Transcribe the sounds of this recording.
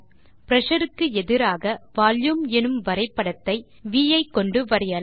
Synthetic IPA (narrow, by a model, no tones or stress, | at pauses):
pɪɾɐʂɐɾɯkːɯɛðɪɾaːɣɐʋaːljumɛnɯmʋɐɾɐɪpːɐɽɐt̪ːɐɪ | ʋiːjɐɪkːɔɳɖɯʋɐɾɪjɐl